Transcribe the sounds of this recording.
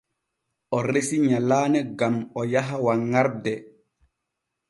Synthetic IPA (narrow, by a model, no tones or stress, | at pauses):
ʔɔɾesiɲalaːnɛɡamɔjaɦawaŋaɾdɛ